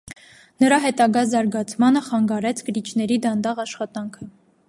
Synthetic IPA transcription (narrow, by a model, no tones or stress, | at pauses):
nəɾɑɦɛt̪ɑɡɑzɑɾɡɑt͡sʰmɑnəχɑŋɡɑɾɛt͡sʰkəɾit͡ʃʰnɛɾid̪ɑnd̪ɑʁɑʃχɑt̪ɑŋkʰə